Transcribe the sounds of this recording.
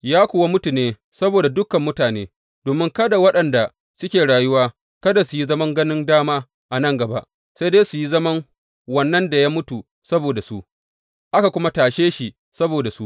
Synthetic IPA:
jaː˦kʷoː˨wa˦mʊ˦tu˨neː˦ | sɐ˦boː˨da˨dʊ˦kɐ˨mːʊ˦taː˨neː˦ | doː˨mɪ˦ŋkɐ˦da˨wɐ˦ɗɐ˨nda˨ | sʊ˦kʲeː˨ɽaː˨jʊ˦waː˦ | kɐ˦da˨su˨ji˦zɐ˦mɐ˦ŋɡɐ˦nɪ˦ndaː˦maː˦ | ʔa˨nɐ˦ŋɡɐ˨ba̰˦ʔ | sa˦deː˦su˨ji˦zɐ˦mɐ˦ŋ | wɐ˨nːɐ˦nda˨jaː˦mʊ˦tu˨ | sɐ˦boː˨da˨su˦ʔ | ʔa˦ka˨kʷʊ˦ma˦taː˨ʃeː˦ʃi˨ | sɐ˦boː˨da˨su˦ʔ

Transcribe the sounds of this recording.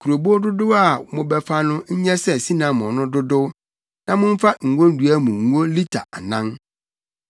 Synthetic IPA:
kʰu˨ɾo˨bo˦dʊ˦dʊ˦a˨mʊ̃˦bɛ˦fa˦nʊ̃˦ɲ̩˦ɲɛ˦sɛ˨si˦nã˨mʊ̃˨nʊ̃˦dʊ˦dʊ˦ | nã˦mʊ̃˦m˦fa˦ŋ̩˨ɡõ˦n̩˦du˨a˦mũ˨ŋ̩˨˦o˦li˦tʰa˨ʔa˨nã˦n

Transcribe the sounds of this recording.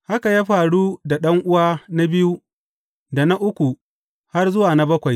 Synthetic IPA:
ha˦ka˨jaː˦ɸaː˨ɽuː˦da˨ɗɐ˦ŋʔʊ˦waː˦na˦bɪ˦ju˦ | da˨na˦ʔʊ˦kʷu˨ | ha˦rzʊ˦waː˨na˦bɐ˦kʷa˨j

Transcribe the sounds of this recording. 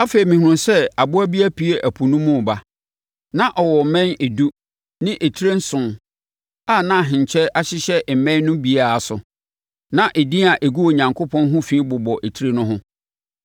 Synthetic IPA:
a˦fe˨i˨mĩ˨hu˨ʊ̃˨nsɛ˦a˨bʊ˦æ˦bi˦æ˦pʰi˦e˦˨ʔæ˨pʰu˨nʊ̃˦mːʊ̃˦˨ba˨ | nã˦ʔɔ˨wɔ˨mɛ̃˦ne˨du˦ | nɪ̃˦ʔe˨tʰi˦ɾe˦n̩˦sʊ̃˨n | aː˦˨nã˦˨ɦɪ̃˨ɲ˨t͡ɕʰɛ˦ʔa˦ɕɪ˦ɕɛ˦ʔm̩˨mɛ̃˦nʊ̃˦bi˨a˨a˨sʊ̰˨ | nã˦ʔe˨dĩ˦a˨ʔe˨ɡu˦o˨ɲã˨ŋkʰo˦pʰɔ̃˦nɦʊ̃˦fĩ˦bʊ˨bɔ˨ʔe˨tʰi˦ɾe˦nʊ̃˦ɦʊ̃˦

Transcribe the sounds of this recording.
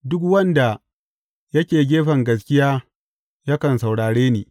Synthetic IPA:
dʊ˦kwɐ˦nda˨ | jɐ˦kʲeː˨ɡʲeː˦ɸɐ˨ŋɡɐ˨s̬kʲɪ˦jaː˦ | jɐ˦kɐ˨nsa˨wɽaː˨ɽeː˦niː˨

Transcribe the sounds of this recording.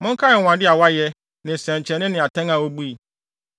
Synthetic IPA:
mʊ̃˦ŋ˦kʰa˦ɛ˨wã˨dɪ˦a˨wa˦jɛ˦ | nɪ̃˨sɛ̃˨ɲ˨t͡ɕʰɛ˨nɪ̃˦nɪ̃˨a˨tʰɛ̃˦ŋã˨wo˦bu˦i˨

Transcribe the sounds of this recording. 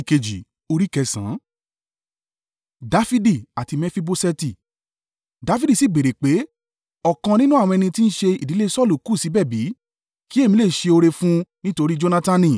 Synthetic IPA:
ke˧d͡ʒi˨ | o˧ɾi˦kɛ˧sã̰˨˦ | da˧fi˦di˦˨a˨ti˧mɛ̃˧fi˦bo˧sɛ˧ti˦˨ | da˨˧fi˦di˦˨si˨˦˨ɡ͡be˨ɾe˨k͡pe˨˦ | ɔ˦˨kã˧nĩ˦nũ˦ã˦˨ɔ̃˧ɛ˧nĩ˧ti˦n̩˦ʃe˧i˨di˨˦le˦˧sɔ˦˨lu˨ku˦˨si˨˦bɛ˦˨bi˨˦ | ki˦e˦˨mĩ˧le˦˨ʃe˧o˧ɾe˧fũ˦nĩ˦to˧ɾi˦d͡ʒo˧na˧tã˧nĩ˦˨

